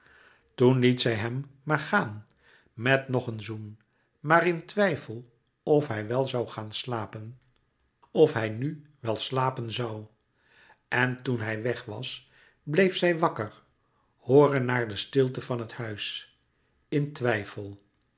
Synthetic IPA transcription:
tunlitsɛjɦɛmmaːɹχaːn | mɛtnɔχənzun | maːrɪntʋɛjfəlˠ | ɔfɦɛjʋɛlˠzɑwχaːnslaːpən | ɔfɦɛjnyʋɛlˠslaːpənzɑw | ʔɛntunɦɛjʋɛχʋɑ̰s | blejfsɛjʋɑkəɹ | hoːrənːaːɹdəstɪlˠtəvɑnɦəthœɥs | ɪntʋɛjfəlˠ

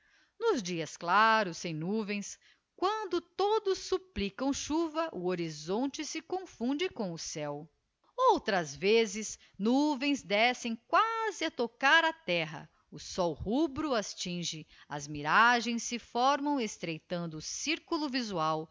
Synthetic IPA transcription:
nʊzd͡ʒiɐsklaɾʊsːẽj̃nuvẽj̃s | kwɐ̃nd̪ʊt̪od̪ʊsːuplikɐ̃w̃ʃuvɐʔʊoɾizõnt͡ʃɪsɪkõfũd͡ʒɪkõʊsɛw | owt̪ɾɐzvezɪs | nuvẽj̃zd̪ɛsẽj̃kwazɪɐt̪okaɾɐt̪ɛɦɐ̰ | ʊsɔwhubɾʊast͡ʃĩʒɪ | ɐzmiɾaʒẽj̃sːɪfɔɾmɐ̃w̃est̪ɾejt̪ɐ̃nd̪ʊːsiɾkulʊvizuaw

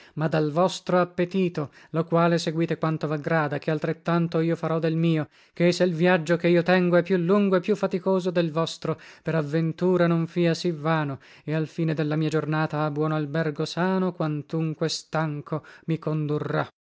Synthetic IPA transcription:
mad̪alvɔst̪ɾoapːet̪iːt̪o | lokwaːleseɡwiːt̪ekwant̪ovaɡɾaːd̪akealt̪ɾet̪ːant̪oiːofaɾɔd̪ːelmiːo | keɛseilvjad͡ʒːokeiːot̪ɛŋɡoɛpːjulːuŋɡoepːjufːat̪ikoːzod̪elvɔst̪ɾopeɾavːent̪uːɾanoɱfiːasivːaːno | ealfiːned̪elːamiːad͡ʒornaːt̪aabwɔːnoalbɛrɡosaːnokwant̪uŋkwest̪aŋkʰomikond̪urːa

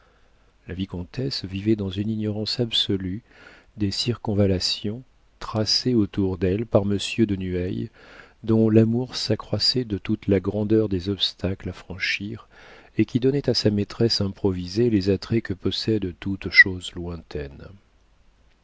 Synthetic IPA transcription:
lavikɔ̃t̪ɛsvivɛd̪ɑ̃zyninɔʁɑ̃sabsɔly | d̪esiʁkɔ̃valasjɔ̃ | t̪χaseot̪uʁd̪ɛlpaʁməsjød̪ənyɛjd̪ɔ̃lamuʁsakχwasɛd̪ət̪ut̪laɡʁɑ̃d̪œʁd̪ezɔpst̪ʰaklafχɑ̃ʃiʁekʲid̪ɔnɛt̪asamet̪χɛsɛ̃pχɔvizelezat̪χɛkəpɔsɛd̪t̪ut̪ʃozlwɛ̃t̪ʰɛn

